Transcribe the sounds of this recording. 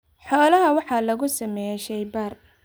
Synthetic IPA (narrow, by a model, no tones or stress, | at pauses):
ħɔːlɐɦɐwɑħɑːlɐɣʊsɐmɛʃɛjbɐr